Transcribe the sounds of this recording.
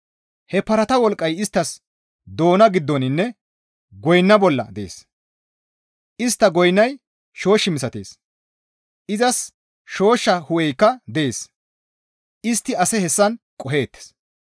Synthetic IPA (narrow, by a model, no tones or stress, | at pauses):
hɛpɐɾɐt̪ɐwɔlkʼːɐjɪst̪ːɐs | d̪o̞ːnɐɡɪd̪ːɔnɪnːɛ | ɡɔjnːɐbɔlːɐ̰d̪ɛḛːs | ʔɪst̪ːɐɡɔjnːɐj | ʃo̞ːʃːɪmɪsɐt̪eːs | ʔɪzɐs | ʃo̞ːʃːɐhʊwɛjkːɐd̪ɛeːs | ɪst̪ːɪɐsɛhɛsːɐn | kʼɔɦe̞ːt̪ːɛ̥s